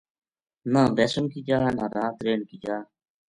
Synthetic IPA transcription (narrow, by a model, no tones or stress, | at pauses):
nãːbeːsʊmkiːd͡ʒaːnãːɾãːt̪ɾeːɳkiːd͡ʒaː